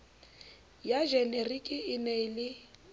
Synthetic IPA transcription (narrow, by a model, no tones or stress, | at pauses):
jaʒɛnerikʼɪɪnelɪ